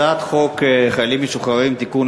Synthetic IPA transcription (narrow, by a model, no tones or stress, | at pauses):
at̪χo̞kχajalimːeʃuχaʁimt̪ikun